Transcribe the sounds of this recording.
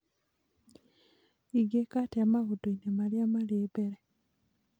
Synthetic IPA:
iɡekatiamaɣuduinemaljamalebeɾe

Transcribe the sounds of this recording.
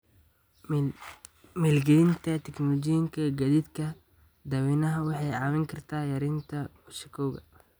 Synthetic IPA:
mɛlɡɛlɪnt̪ʰɐt̪ʰɛknɔlɔt͡ʃɪjɪŋkʰɐɡɐðiːd̪kʰɐ | d̪ɐwɛnɐɦɐwɑħɑjʕɑːwɪŋkʰɐrt̪ʰaːjɐɾɪnt̪ʰɐ | ʊʃɪkʰɔwɣɐ̰

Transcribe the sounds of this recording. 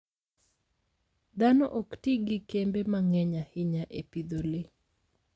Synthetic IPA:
d̪anɔʔoktiɡɪkembemaŋɛɲahɪɲaʔepid̪olɪ

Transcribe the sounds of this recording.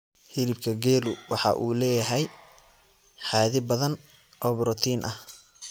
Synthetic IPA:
hɪlɪb̚kʰɐɡɛːlʊwɑħɑ̰ʔuːlɛːjɐɦɛj | ħɑːðɪbɐðɐn | ʔɔːbɾɔt̪ʰiːnʔɐh

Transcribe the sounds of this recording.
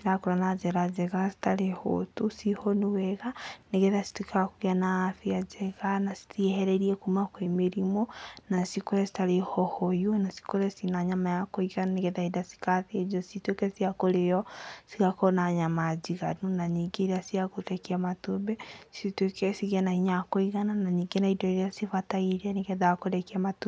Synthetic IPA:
siɾakuɾanazeɾazeɣasi̥taleho̰tusihonuwɛɣaneɣeðasi̥twekaakuɣjanaːfiazeɣanasi̥tieheɾeɾiekumakwemiɾimonasikuɾesi̥talehohojwenasi̥koɾesinaɲamajakoiɣaneɣeðaidasi̥kaθied͡ʒositwekesiakolejɔsiɣakɔnaɲamad͡ʒiɣanunaɲiɡeɾasiakoɾɛkiamatobɛsitwekɛsiɣianahiɲakoiɣananaɲiɡenaidɔeɾeasifataiɾaneɣɛðakoɾɛkiamatu

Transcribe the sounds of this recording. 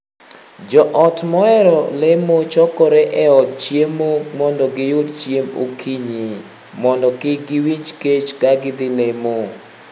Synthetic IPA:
d͡ʒɔʔɔtmɔɛɾɔlemot͡ʃɔkɔɾɛʔɛɔtt͡ʃjemomɔndɔɡɪjodt͡ʃjemo̰kʰiɲi | mɔndɔkɪɡɪwit͡ʃket͡ʃkaɡɪd̪ɪlemo

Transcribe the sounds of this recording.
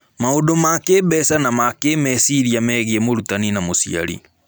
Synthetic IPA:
maodomakeːbɛsanamakeːmɛsiɾiamɛɣiemoɾutaninamosḭa̰ɾḭ

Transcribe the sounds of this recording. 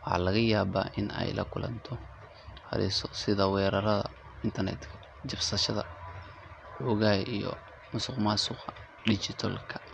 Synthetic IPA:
wɑħɑ̰ːlɐɣɐjaːβa̰ːʔɪnɛ̰jlɐ̰kʰʊlɐ̰nt̪ʰɔ | hɐ̰ɾɪsɔsɪðɐwɛːɾɐɾɐðɐ̰ | ɪnt̪ʰɐrnɛ̰t̪kʰɐ̥ | d͡ʒɪbsɐʃɐðɐ | ʊɣaːjʔijɔ̰ | mʊsʊqmasʊqɐ | ɖɪt͡ʃɪt̪ʰɔlkʰɐ̥

